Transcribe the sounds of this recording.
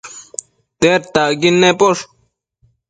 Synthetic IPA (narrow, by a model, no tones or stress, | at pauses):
t̪eɾt̪aɡinːepoʂ